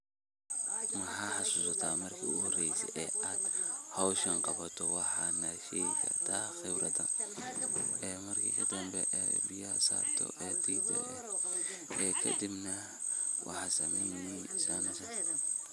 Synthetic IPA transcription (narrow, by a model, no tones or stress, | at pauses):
mɐhaħɑsusɐt̪ʰaːmɐrkʰiuhɔrɛjsɛ̰ʔɛad̪̥hawʃɐŋqɑbɐt̪ʰɔwɑħanaʃɛkɐ̰t̪axɛbɾɐt̪ɐ̰ | ʔɛːmɐrkʰḭkʰɐd̪ɐmbɛʔɛbijasa̰t̪ʰɔ̰ʔɛd̪id̪ɐ̰lɛ̰ | ʔɛkʰɐ̰d̪ibnɐ | wʔɑ̰ħasɐmɛnnisanɐsɐ